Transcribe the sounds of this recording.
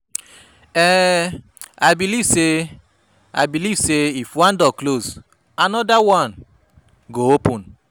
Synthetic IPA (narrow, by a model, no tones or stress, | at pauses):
ɛ | ajbilivse | a̰jbilivseifwãndɔkloz | anɔdawãn | ɡoopũn